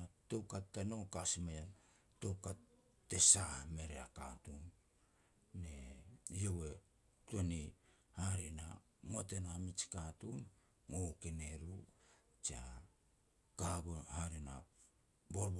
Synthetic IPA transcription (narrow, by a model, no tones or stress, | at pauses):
atokatːanokasimejan | tokatː | esame̞ɾeakatumː | ejowe̞ | toni | haɾina̰ | motenamit͡ʃkatumː | okene̞ɾu | t͡ʃia | kaɡohaɾina̰ | boɾb